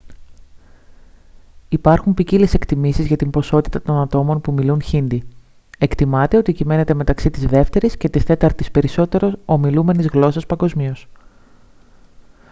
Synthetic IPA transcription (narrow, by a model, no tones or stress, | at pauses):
ipɐɾxumpicilese̞kt̪imisizʝɐt̪impo̞so̞t̪i̥t̪ɐt̪o̞nɐt̪o̞mo̞npumilunçind̪i | e̞kt̪imɐt̪eo̞t̪icime̞ne̞t̪e̞me̞t̪ɐksit̪izðe̞ft̪e̞ɾisce̞t̪ist̪e̞t̪ɐɾt̪ispe̞ɾiso̞t̪e̞ɾo̞so̞milume̞nizɣlo̞sɐspɐŋɡo̞zmio̞s